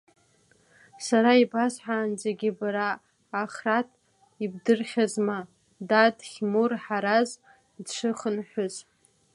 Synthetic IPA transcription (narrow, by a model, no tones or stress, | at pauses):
saɾaibasħaːnd͡zaɡʲɪbaɾaː | χratʰʼ | ibdɨrχʲazma | dadχʲmurħaɾaz | dʂɨχənħʷʊz